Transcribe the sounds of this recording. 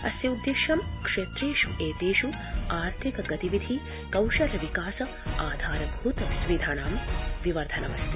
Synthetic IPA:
ɐ̰sjɐud̪ːeʃɐmkʂeːt̪ɾeːʃuʔeːt̪eːʃu | aːɾt̪ʰikɐɡɐt̪iʋid̪ʱi | kɐwʃɐɾɐʋikaːsɐ | aːd̪ʱaːɾɐbʱuːt̪ɐsʋid̪ʱaːnaːmʋiʋɐɾd̪ʱɐnɐmɐst̪ʰi

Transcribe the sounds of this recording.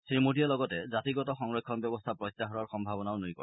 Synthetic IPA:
sɾimuɖʱijalɔɡɔted͡ʒat̪iɡɔtɔxɔŋɾɔkʰːɔnbjɔbɔst̪ʰapɾɔjt̪ːaɦɔɾaɾxɔmbʱabɔnawnujkɔ̰ɾ

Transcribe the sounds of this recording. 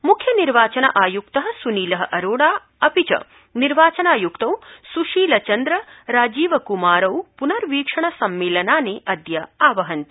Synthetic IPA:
mukʰjɐniɾʋaːt͡ʃɐnɐ̰ʔaːjukt̪ɐɦɐ̆suniːlɐɦɐʔɐɾoːɽaː | ɐpit͡ʃɐ̰ | niɾʋaːt͡ʃɐnaːjukt̪ɐwsuʃiːlɐt͡ʃɐnd̪ɾɐɾaːd͡ʒiːʋɐkumaːɾɐwpunɐɾʋiːkʂɐɳɐsɐmːeːlɐnaːneːʔɐd̪jɐaːʋɐɦɐnt̪i̥

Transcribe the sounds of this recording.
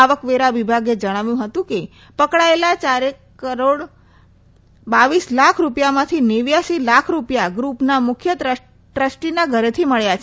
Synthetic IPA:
aʋəkʋeɾaʋibʱaɡed͡ʒəɽ̃aʋjũɦət̪ũke | pəkɽaelat͡ʃaɾekkəɾoɽ | baʋislakʰɾupjamãt̪ʰineʋjaʃilakʰɾupjaɡɾupnamʊkʰjət̪ə | ʈɾəsʈinaɡʱəɾet̪ʰiməɭjat͡ʃʰe

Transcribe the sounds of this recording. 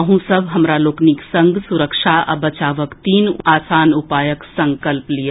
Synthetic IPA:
ɦũsɐbʱɦɐmɾaloːkniksɐ̃ŋɡʱsʊɾəkʃaɐ̰bɐt͡ʃaːʋəkt̪iːnaːsaːnʊpaːjəksɐ̃ŋkəlplij

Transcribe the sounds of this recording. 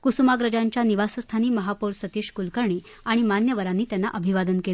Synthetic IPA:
kusumaɡɾəd͡ʑãɲt͡ɕjaniʋasəst̪ʰaniːməɦapoɾsət̪iːɕkulkəɾɳiː | aɽ̃imanjəʋəɾanːiːt̪janːa̰ʔəbʱiʋad̪ənkel

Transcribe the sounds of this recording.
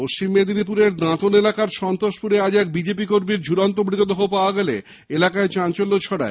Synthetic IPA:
moʃt͡ɕimːed̪inipuɾeɾnãt̪onelakaɾʃɔnt̪oʃpuɾead͡ʑɛk̚bid͡ʑepikoɾmiɾd͡ʑʱuɾant̪̬obɾit̪od̪ɔɦopaoaɡɛlḛ | elakaet͡ɕãnt͡ɕolːot͡ɕʰɔɽa̰e

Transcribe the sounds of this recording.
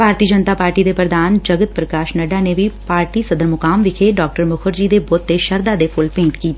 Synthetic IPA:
bʱaːɾt̪iːəd͡ʒənt̪aːpaːɾʈiːd̪eːpɾəd̪aːnd͡ʒəɡət̪̚pɾəkaːʃnəɖaːneʋipaːɾʈiːsəd̪əɾmʊkaːmʋɪkʰeɖaːk̚ʈəɾmʊkʰəɾd͡ʒiːd̪ebot̪ːeʃəɾd̪aːd̪epʰʊlpẽːɳʈkiːt̪e

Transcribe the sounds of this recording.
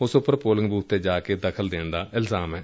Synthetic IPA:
ʊsʊpːəɾpoːlɪ̃ŋɡbuːt̪ːeːd͡ʒaːkeːd̪əkʰəld̪eːɳd̪aːʔɪlzaːmɛː

